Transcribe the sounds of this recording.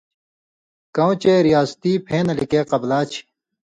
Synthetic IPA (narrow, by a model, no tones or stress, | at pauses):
kɐ̃w̃t͡ɕeːɾijaːst̪iːpʰẽːnɐlikeːqɐblaːt͡ɕʰi̥